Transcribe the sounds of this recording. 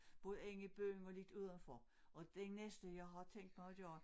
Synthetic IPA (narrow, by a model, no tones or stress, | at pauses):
b̥ɔ̽ːðˠəeŋəib̥ø̰ːnɒ̽led̥uð̞̰ˠɐnfɒ | ʔɒ̽d̥enesd̥əjɑ̈ɪɦɑ̈t͡sʰeŋ̰d̥mɑaɪɒd̥eɒ